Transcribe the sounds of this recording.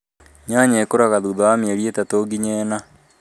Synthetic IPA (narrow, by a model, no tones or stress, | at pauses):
ɲaɲɛkoɾaɣaðuðawameɾietatoɡiɲɛːna